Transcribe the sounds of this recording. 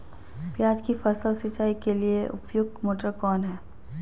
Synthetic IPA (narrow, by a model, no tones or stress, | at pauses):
pjaːd͡ʒkifəsəlsɪt͡ʃaːikelieʔʊ̰pjʊɡ̚moːʈəɾkɔːnɦɛː